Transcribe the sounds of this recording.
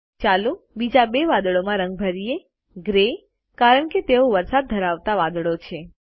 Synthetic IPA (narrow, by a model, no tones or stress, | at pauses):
t͡ʃalu | bid͡ʒabeʋad̪əɭomãɾə̃ŋɡ̚bʱəɾije | ɡɾe | kaɾəɳket̪eoʋəɾsad̪̚ːʱəɾaʋt̪aʋad̪ɭot͡ʃʰe